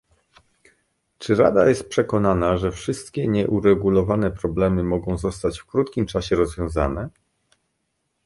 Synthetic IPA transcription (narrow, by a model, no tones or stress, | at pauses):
t͡ʂɘɾa̰d̪ajɛst̪̚pʂɛkɔnanaʐɛfʂɘst̪kʲɛɲɛʔuɾɛɡulɔvanɛpɾɔblɛmɘmɔɡɔ̃w̃zɔst̪at͡ɕfkɾut̪kʲimt͡ʂaɕɛɾɔzvʲjɔ̃w̃za̰nɛ